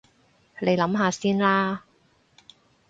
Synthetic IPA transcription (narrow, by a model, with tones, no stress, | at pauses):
le˨˧jlɐ˨˥mɦaː˧siː˥nlaː˥